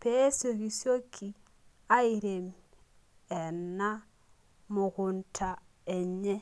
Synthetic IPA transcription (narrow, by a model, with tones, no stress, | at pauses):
pe˦so˨ɣi˨sjo˦kʰi˨ | a˦i˨ɾe˨m | ɛ˨na˦ | mʊ˨ɣu˨ntʰa˨ɛ˨ɲɛ˦